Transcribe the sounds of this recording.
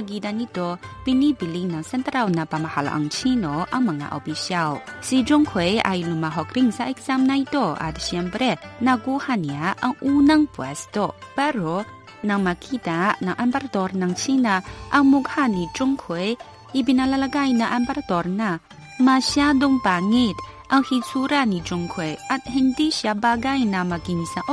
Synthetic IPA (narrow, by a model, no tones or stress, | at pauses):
aɡidanitɔpinibilinaŋsɛntɾawnapamahalʔa̰ŋt͡ʃʰinɔʔaŋmaŋa̰ʔa̰wbisiawsid͡ʒuŋkʰoja̰jlumaɦɔkɾiŋsaʔek̚z̥amnajdɔa̰disiambɾenaɡuhaniaʔaŋunaŋpua̰sdɔpaɾɔ | naŋmakʰidanaŋʔambaɾatɔɾnaŋsinaaŋmuk̚hanid͡ʒuŋkʰoj | ibinalalaɡajnaʔambaɾatɔɾna | masiadɔŋpaŋit | aŋhisuɾanid͡ʒuŋkʰojathindisiabaɡajnamakinsaʔɔ